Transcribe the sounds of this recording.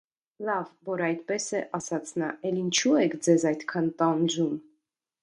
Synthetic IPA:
lɑvːɔɾɑjt̪pɛsɛʔɑsɑt͡sʰnɑʔɛlint͡ʃʰuɛkʰd͡zɛzɑjt̪kʰɑnt̪ɑnd͡ʒum

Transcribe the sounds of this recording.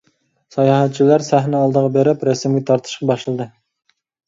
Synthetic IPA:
sɑjɑɦɛt̪̚t͡ʃʰilæɾsæhnɪɑlˠd̪əʁɑbeɾɪpɾɛsmɡʲɛt̪ʰɑɾt̪ʰɨ̥ʃqɑbɑʃlˠɨd̪ɨ

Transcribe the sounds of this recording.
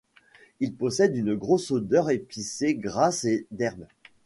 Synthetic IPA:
ilpɔsɛd̪ynɡʁosod̪œʁepiseɡʁased̪ɛʁm

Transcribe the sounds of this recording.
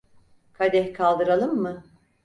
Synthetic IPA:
kʰad̪ɛhkʰalˠd̪ɯɾalˠɯmːɯ

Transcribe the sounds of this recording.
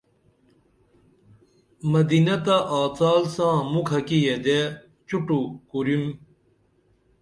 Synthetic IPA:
mɐd̪inɐt̪aʔaːt͡saːlsãːmukʰɐkijed̪e | t͡ɕuʈukuɾjum

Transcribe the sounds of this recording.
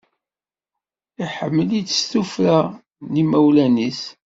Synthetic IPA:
iħəmːəlit͡sːst̪ufɾa | nimæwlænis

